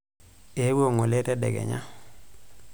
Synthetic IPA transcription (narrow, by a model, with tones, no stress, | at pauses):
e˨˦wo˦˨ŋo˨le˦tɛ˦dɛ̰˨ɡɛ̰˨ɲa˦